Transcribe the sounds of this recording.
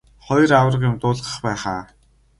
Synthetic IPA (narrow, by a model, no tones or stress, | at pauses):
χɔjraw̆rə̆qjʊmt̪ʊːɮʁə̆χpæːχaː